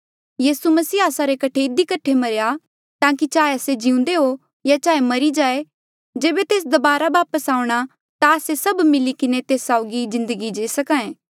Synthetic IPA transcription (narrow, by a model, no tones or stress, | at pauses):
jiːsumɐsiːaːsaɾekɐʈʰeɪd̪ikɐʈʰːemɐɾeja | t̪ãːkit͡ʃaːeased͡ʒiũnd̪eɦo | jat͡ʃaːemɐɾid͡ʒaːe | d͡ʒeːbet̪eːs̬d̪ɐbaːɾaʋaːpəsaːʊ̃ɽ̃a | t̪aːsesɐbmɪlikɪnet̪eːsːaʊɡizɪ̃nd̪əɡid͡ʒeːsɐkãːẽː